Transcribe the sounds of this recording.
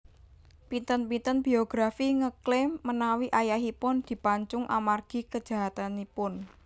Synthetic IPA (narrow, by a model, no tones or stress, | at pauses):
pint̪ənpint̪ənb̥i̤oɡ̥ɾafiŋəklemənawiʔajaɦipʊnd̪̥i̤paɲt͡ʃʊŋʔa̰marɡ̥i̤kəd̥ʒ̥a̤ɦat̪anipʊn